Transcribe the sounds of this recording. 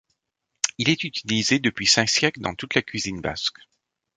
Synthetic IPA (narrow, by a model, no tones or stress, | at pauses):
ilɛt̪yt̪ʰilized̪əpɥisɛ̃ksjɛkld̪ɑ̃t̪ut̪lakʲɥizinba̰sk